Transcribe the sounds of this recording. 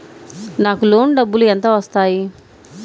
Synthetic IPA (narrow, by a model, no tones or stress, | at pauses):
naːkulo̞ːnɖɐbːulueɛnt̪oːʋɐst̪aːji